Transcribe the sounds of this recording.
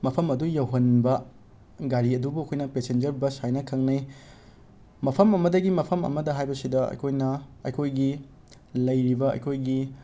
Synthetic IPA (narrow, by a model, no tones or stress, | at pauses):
mɐpʰɐmɐdujɐwɦɐnbɐ | ɡaɾiɐdubuɐkʰojnɐpesend͡ʒɐɾbɐsajnɐkʰɐŋnɐj | mɐpʰɐmɐmɐdɐɡimɐpʰɐmɐ̰mɐdɐɦajbɐsidɐɐ̰jkʰojnɐɐ̰jkʰojɡi | lɐjɾibɐɐ̰jkʰojɡi